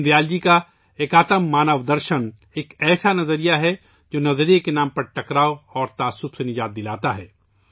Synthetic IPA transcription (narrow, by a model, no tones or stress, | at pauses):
d̪jaːld͡ʒika | eːkaːt̪əmːaːnəʋd̪ɐɾʃən | eːkɛːsanɐzəɾijaɦɛ | d͡ʒoːnɐzəɾijekenãːmpɐɾʈɐkɾaːoɔːɾt̪aːsʊpsenɪd͡ʒaːt̪̚d̪ɪlaːt̪aɦɛː